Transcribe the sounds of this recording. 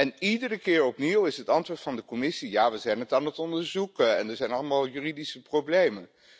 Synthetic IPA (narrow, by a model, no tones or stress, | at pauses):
ɛnidərəkɪːɹɔpniwɪsɦətɑntʋʊːɹtfɑndəkɔmɪsijaːʋəzɛjnətaːnətɔndəɹzukɛ̰ndəɹzɛjnɑlˠəmalˠjyridisəprowblejmən